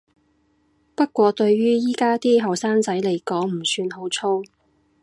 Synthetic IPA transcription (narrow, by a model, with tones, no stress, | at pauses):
pɐ˥t̚kʷɔː˧t̪ɵ˧ɥɥyː˥jiː˥kaː˥t̪iː˥ɦɐ˨˩wsaː˥ŋt͡sɐ˨˥jle˨˩jkɔː˨˥ŋm̩˨˩syː˧nɦo˨˥wt͡sʰo˥w